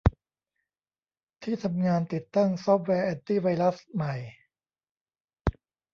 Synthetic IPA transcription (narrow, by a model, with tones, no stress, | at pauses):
t̪ʰiː˥˩t̪ʰa˧mŋaː˧nt̪i˨˩t̪ːa˥˩ŋsɔ˦˥p̚wɛː˧ʔɛː˧nt̪iː˥˩wa˧jɾa˦˥sma˨˩j